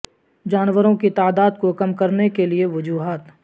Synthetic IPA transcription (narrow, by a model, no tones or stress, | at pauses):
d͡ʒaːnʋəɾõkit̪aːd̪aːd̪kokɐmkɐɾnekelieʋɐd͡ʒuːɦaːt̪